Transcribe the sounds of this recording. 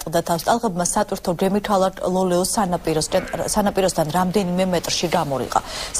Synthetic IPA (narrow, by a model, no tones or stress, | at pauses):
t̪ʼqʼd̪at̪ʰafst̪ʼalˠʁɛbmasat̪ʼwiɾt̪ʰɔd͡ʒɛmit̪ʰalˠalˠɔlɛɔsanapʼiɾɔsnsanapʼiɾɔsd̪ʰanɾamd̪ɛnimɛmɛt̪ʼɾʃiɡamɔɾḭqʼa̰s